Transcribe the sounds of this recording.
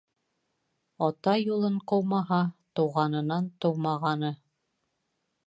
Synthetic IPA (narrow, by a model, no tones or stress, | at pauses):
ɒt̪ɑjulˠɤɴqɤ̆wmɑɦɑt̪ŭwʁɑnɤ̆nɑnt̪ŏwmɑʁɑnɤ